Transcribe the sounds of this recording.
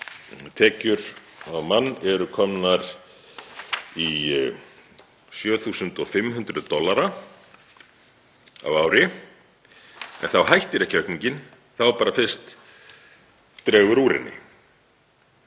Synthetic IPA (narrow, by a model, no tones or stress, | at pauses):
t̪ʰɛːcʏɾawmanːɛɾʏkʰɔmnaɾ | i | sjœːθuːsʏnt̪ɔfɪmhʉnt̪ɾʏðt̪ɔlːaɾa | a̰vaːwɾɪ | ɛ̰nθawɦajht̪ɪɾɛhcœhkniɲcɪn | θawɛɾpaːɾafɪr̥st̪ | t̪ɾɛːɣʏɾuːɾɪ̰nːɪ̰